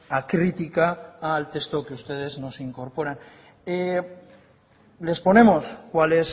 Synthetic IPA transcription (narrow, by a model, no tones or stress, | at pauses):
akɾit̪ikaːlt̪e̞st̪okeust̪e̞ð̞e̞zno̞siŋko̞ɾpo̞ɾan | e | le̞spo̞ne̞mo̞skwale̞s